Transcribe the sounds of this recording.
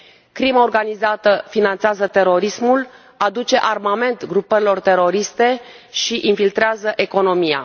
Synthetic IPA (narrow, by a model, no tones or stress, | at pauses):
kɾimaorɡanizat̪əfinant̪seazət̪e̞ɾo̞ɾismul | ad̪ut͡ʃe̞ʔarmame̞nt̪ɡɾupəɾilo̞rt̪e̞ɾo̞ɾist̪e̞ | ʃiʔinfilt̪ɾeazəʔe̞ko̞no̞mija̰